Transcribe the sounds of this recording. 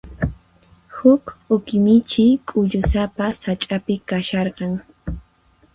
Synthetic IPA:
hʊkʊkɪmɪt͡ʃɪkʼʊʎʊsapasat͡ʃʼapɪkaʃɑɾqɑŋ

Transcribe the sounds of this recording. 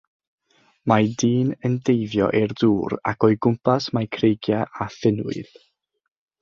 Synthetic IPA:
majdiːnəndejvjɔ̰ʔerduːɾa̰kɔɨɡʊmpasmajkʰrejɡjaʔafɪnʊ̰ɨð̥

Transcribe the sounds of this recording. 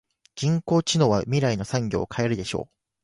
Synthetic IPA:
d͡ʑĩŋko̞ːt͡ɕino̞βamʲiɾaino̞sãŋɡʲo̞̰ːkʰae̞ɾɯ̟d̪e̞ɕo̞̰ː

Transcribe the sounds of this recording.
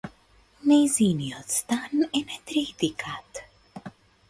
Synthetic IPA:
nejziːnijɔt͡st̪anɛnɛt̪ɾiːt̪ikʰat̪

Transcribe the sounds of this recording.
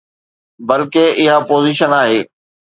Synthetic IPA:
bɐlkeɪɦapoːziːʃənaːɦeː

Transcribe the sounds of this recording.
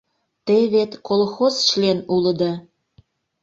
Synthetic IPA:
t̪eβet̪kʰolxozʃlenulə̆d̪ɤ

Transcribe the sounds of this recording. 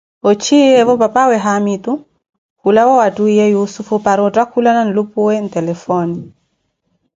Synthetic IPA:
ɔt͡ʃijɛvɔpapawɛɦamitu | kulawawatuijɛjusufupaɾɔtakulananlupuwɛntɛlɛfɔni

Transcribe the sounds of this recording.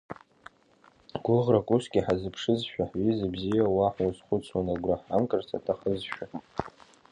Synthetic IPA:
ɡ̥ʷʊʁrakʷʼusɡʲiħazɨpʰʂɨzʃᶣaħɥizabzijawaħwazχʷʊt͡sʰwanaɡʷraħamkʼɨrt͡sʰa̰tʰaχəzʃᶣaħ

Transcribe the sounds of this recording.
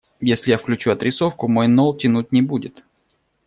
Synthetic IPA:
jesʲlʲɪjafklʲʉt͡ɕuɐt̪ɾʲɪso̞fkʊmo̞jno̞lˠtʲɪnut̚ʲnʲɪbudʲɪt̪

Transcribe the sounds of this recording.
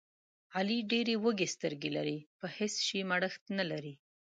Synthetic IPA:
ɑliɖeɾewəɡest̪əɾɡelaɾipəhɪsʃimaɽəxt̪nalaɾi

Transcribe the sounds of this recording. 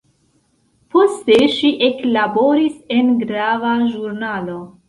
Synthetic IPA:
po̞ste̞ʃiʔe̞klabo̞ɾise̞nɡɾavaʒuɾnalo̞

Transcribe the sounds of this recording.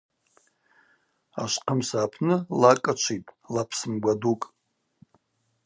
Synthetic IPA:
a̰ʃʷqʰəmsaːpʰnɨlakʼat͡ʃʷʰitʼlapʰsɨmɡʷadukʼ

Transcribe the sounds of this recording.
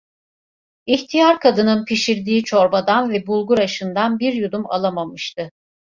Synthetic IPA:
içt̪ʰijaɾkʰad̪ɯnɯnpʰiʃiɾd̪iːt͡ʃʰoɾbad̪anvɛbulˠɡuɾaʃɯnd̪anbiɾjud̪uma̰lˠamamɯʃt̪ɯ

